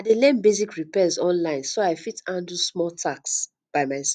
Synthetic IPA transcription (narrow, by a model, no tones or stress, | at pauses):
adelɛ̃nbezikɹipɛzɔ̃nlãɪ̃nsoaɪfitãndusmɔltʰaks | b̥aɪmaɪs